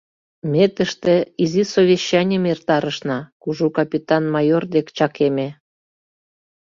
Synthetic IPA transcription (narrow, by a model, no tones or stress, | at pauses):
mʲet̪əʃt̪ĕizisoβʲeɕːɑnʲəmert̪ɑɾəʃnɑkuʒukɑpʲit̪ɑnmɑjord̪ekt͡ɕɑkeme